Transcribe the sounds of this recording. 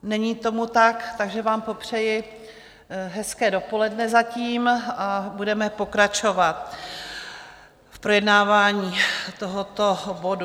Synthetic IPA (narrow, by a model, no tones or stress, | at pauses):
nɛɲiːt̪o̞mut̪akt̪aɡʒɛvaːmpo̞pr̝̥ɛjɪ | ɦɛskɛːdo̞po̞lɛdnɛzaciːmabudɛmɛpo̞kɾat͡ʃo̞vat̪̚ | fpɾo̞jɛdnaːvaːɲiːt̪oɦot̪o̞bo̞du